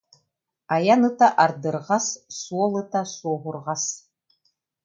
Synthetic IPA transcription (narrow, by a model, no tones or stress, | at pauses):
ajanɯt̪aʔaɾd̪ɯɾʁɑsːuɔlˠɯt̪asuɔɦuɾʁɑs